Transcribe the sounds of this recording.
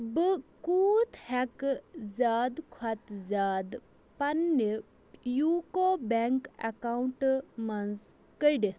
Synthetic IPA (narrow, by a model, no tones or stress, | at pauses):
bɨkuːt̪hɛkzaːd̪kʰwɐt̪zaːd̪ | pɐnːi | jukobɛŋkɐ̰kawɳʈmɐnz | kəɖi